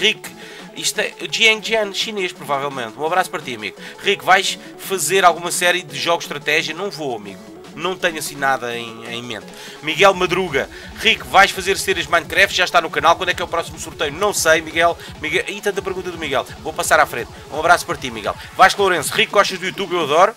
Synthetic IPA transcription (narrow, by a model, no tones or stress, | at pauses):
ʁik | iʃt̪ɛʔʒiɛ̃ŋʒɐnʃineʃpɾuvavɛlˠmẽnt̪ũɐβɾaspɐɾt̪iɐmḭɣuʁikvajʃ | fɐzeɾalˠɣumɐsɛɾjɨðɨʒɔɣuʃt̪ɾɐt̪ɛʒiɐnɐ̃w̃voɐmḭɣu | nɐ̃w̃t̪ɐɲɐsĩnaðɐẽj̃ḛ̃j̃mḛ̃nt̪ | miɣɛlˠmɐðɾuɣɐ | ʁikvajʃfɐzeɾseɾɐʒmãɲ̃kɾɛft̪ʒ̥aʃt̪anukɐnalˠkwɐ̃d̪ɛkɛupɾɔsimusuɾt̪ɐjunɐ̃w̃sɐjmiɣɛlˠ | miɣɛʔɐit̪ɐ̃nt̪̬ɐpɾɣũnt̪ɐðumiɣɛ̰lˠvopɐsaɾafɾẽnt̪ũɐβɾaspɐɾt̪imiɣɛ̰lˠ | vajʃlˠoɾẽsuʁikːɔʃt̪ɐʒd̪ujut̪uβewɐðɔɾu